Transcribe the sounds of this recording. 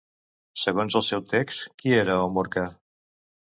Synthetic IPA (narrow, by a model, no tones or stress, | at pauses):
səɣ̞onzəlˠsɛwt̪ekskieɾəomoɾka